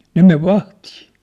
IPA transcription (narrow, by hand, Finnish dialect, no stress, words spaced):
ne meʋ ʋɑhtiː